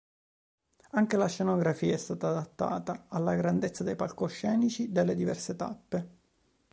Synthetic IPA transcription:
aŋkelaʃːenoɡɾafiːaɛst̪aːt̪aːd̪at̪ːa̰ːt̪aːlːaɡɾand̪et̪sːad̪ejpalkoʃːɛːnit͡ʃid̪elːed̪ivɛ̰rset̪a̰pːe

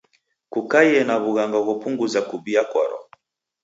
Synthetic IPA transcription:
kukajɛnaβuɣaŋɡaɣɔpuŋɡuzakubiakɔ̰ɾɔ̰

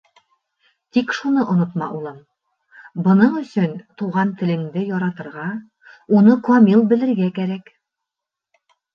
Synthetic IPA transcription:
t̪ikʃunɤʔŏnot̪mɑ̰ʔulˠɤm | bɤ̆nɤɴɵ̆sɵnt̪uʁɑnt̪ɘ̆lɘ̆ŋd̪ɘjɒɾɑt̪ɤ̆ɾʁɑ | unɤkuamʲilˠbɘ̆lɘ̆ɾɡækæɾæk

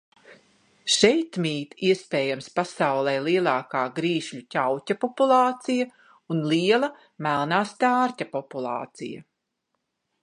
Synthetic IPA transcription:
ʃɛjt̪mʲiːt̪iɛspeːjamspasawlˠɛjlˠiɛlˠɑːkaːɡɾiːʃʎʲucʲawcʲapɔpulˠɑːt̪sija | unliɛlˠɐ | mælˠnaːst̪aːɾcapɔpulˠɑ̰ːt̪sḭjɐ̰

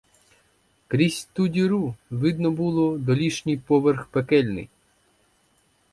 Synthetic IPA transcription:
kɾʲisʲt̪udʲiɾuʋɪd̪nɔbulˠɔd̪ɔlʲiʃnʲijpɔʋerxpekɛlʲnɪ̰j

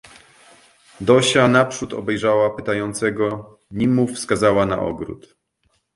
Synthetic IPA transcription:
d̪ɔɕanapʂut̪ɔ̰bɛjʐawapɘt̪ajɔnt̪sɛɡɔ | ɲimːufskazawana̰ʔɔ̰ɡɾṵt̪

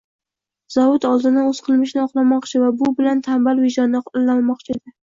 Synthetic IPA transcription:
z̥ɒvʊt̪ɒlˠd̪ɪnaɵz̥qʰɨlˠmɪʃnɪɒqlˠamɒqt͡ʃʰɪvabʊbɪlant̪ʰambalvɪʒɒnːɪlanmɒqt͡ʃʰɪd̪ɪ

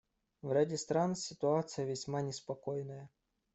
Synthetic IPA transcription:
vɾʲadʲɪst̪ɾansʲɪt̪ʊat̪sɨjəvʲɪsʲmanʲɪspɐkojnəjə

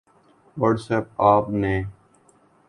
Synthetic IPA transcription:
ʋəɖsɛːp̚aːpnẽː

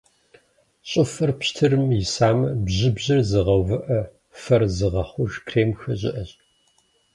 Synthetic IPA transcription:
ɕʼɪfɐrpɕtʰɨrɨmjɪsaːmɐbʑɪbʑɐrzɨʁɐwvɨʔɐ | fɐrzɨʁɐχʷʊʒkʰreːmxɐʑɪ̰ʔɐɕʼ

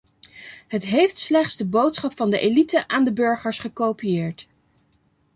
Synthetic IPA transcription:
ɦətɦejftslɛχtsdəbowtsχɑpfɑndəʔelitəʔaːndəbɵɹχəɹsχəkowpijɪːɹt

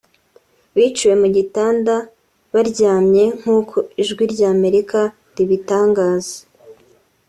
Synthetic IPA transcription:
βiːt͡ʃuwe̞muɟitaːnda | βaɾɟaːmɲe̞ŋ̥uːkʰoiʒɡwiɾɟaːme̞ɾika | ɾiβitaːŋɡaːz̥ḁ

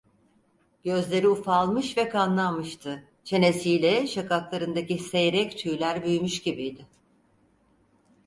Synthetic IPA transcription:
ɟø̞zlʲe̞ɾiufalˠmɯʃvɛkʰanlˠanmɯʃt̪ʰɯ | t͡ʃʰe̞ne̞sijlʲɛʃakaklˠaɾɯnd̪acise̞jɾɛct̪ʰyjlʲæɾbyjmyʃɟibijd̪ɪ

